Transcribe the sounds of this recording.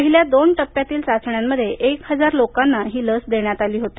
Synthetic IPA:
əɦiljad̪onʈəpːjat̪iːlsat͡sɳjamːəd̪ʱjeʔekhəd͡zaɾlokanːaɦiːləsd̪eɳjat̪aliːɦot̪i̥

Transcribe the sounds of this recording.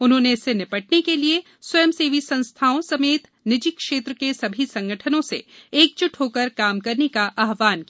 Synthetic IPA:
ʊnɦõːneɪsenɪpəʈ̚nekelie | swɐjəmseːʋisɐ̃nst̪ʰaːõsɐmeːt̪ | nɪd͡ʒɪkːʃeːt̪ɾəkesɐbʱisɐ̃ŋɡəʈʰənõsḛeːk̚t͡ʃʊʈʰɦoːkəɾkaːmkɐɾnekaʔaːɦʋaːnki

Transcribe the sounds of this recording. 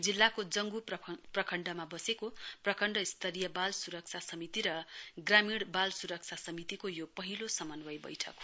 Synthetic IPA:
d͡zilːakod͡zʌŋɡuprʌkʰʌɳɖʌmabʌsekoprʌkʰʌɳɖʌist̪ʰʌɾijʌbalsuɾʌk̚t͡sʰasʌmit̪iɾʌɡramiɽbalsuɾʌk̚t͡sʰasʌmit̪ikojopʌɦilosʌmʌnwʌjbʌ̰jʈʰʌ̰k

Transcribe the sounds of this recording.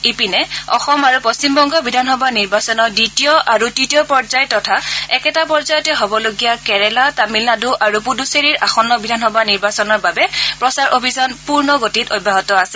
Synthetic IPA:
ipinɛɔ̰xɔmaɹupost͡ʃimbɔŋɡɔbidʱanxɔbʱaniɹbasɔnɔditijɔʔaɹutitijɔpɔɹzajɔtːɔtʰaɛkɛtapɔɹzajɔtɛɦobɔloɡijakɛɹɛlatamilnaduʔaɹupuduseɹiɹʔaxɔnːɔbidʱanxɔbʱaniɹbasɔnɔɹbabɛpɹɔsaɹʔobʱizanpuɹnɔɡotitobʱːaɦɔtɔasɛ

